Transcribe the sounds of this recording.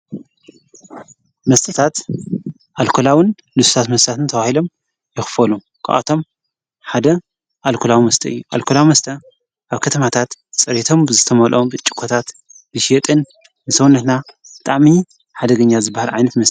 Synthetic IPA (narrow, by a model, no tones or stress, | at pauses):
mɐst̪ʰɐt̪ʰat̪ | ʔalkʰolawɨn | lɨsu̥t̪ʰat̪mɐst̪ʰat̪ʰɨnt̪ʰɐβahilo̞m | jɪxfɐlu | kʰa̰ʔa̰t̪ʰo̞m | ħad̪ɐ | ʔalkʰolawimɐst̪ʰɐɨ̰jːuʔa̰lkʰolawimɐst̪ʰɐ | ʔaβkʰɐt̪ʰɐmat̪ʰat̪t͡sʼɐɾet̪ʰo̞mbɨzɨt̪ʰɐmɐlʔombɨt͡ʃʼːɪ̥kʰot̪ʰat̪bɨʃet̪ʼɨn | bɨsɐwunɐt̪nab̥ɨt̪ʼaʕmi | ħad̪ɐɡɐɲːazɨbːahalʕajnɐt̪mɐst̪ʰʼ